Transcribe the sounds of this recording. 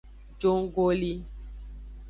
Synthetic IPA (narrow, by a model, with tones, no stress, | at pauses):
d͡ʒo˦ŋ˦ɡo˦li˦